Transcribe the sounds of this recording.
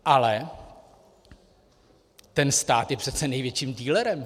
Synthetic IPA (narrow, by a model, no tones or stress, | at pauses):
ʔalɛ | t̪ɛnst̪aːt̪jɛpr̥ɛt̪t͡sɛnɛjvjɛt͡ʃiːmd̪iːlɛɾɛm